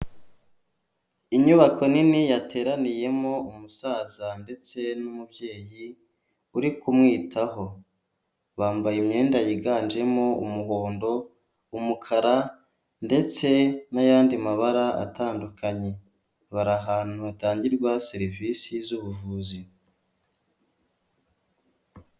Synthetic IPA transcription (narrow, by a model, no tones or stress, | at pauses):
iɲuβakʰo̞ninijatʰe̞ːɾanije̞mo̞umusaːzande̞t͡se̞numubje̞ːji | uɾikumŋiːtʰaho̞ | βaːmbajimɲe̞ːndajiɡaːnd͡ʒe̞mo̞ṵmuho̞ːndo̞ | umukʰaɾa | nde̞t͡se̞najaːndimaβaɾaa̰taːndukʰaɲe̞ | βaɾaɦaːn̥huataːɲɟiɾɡwaseɾivisizuβuvuːzi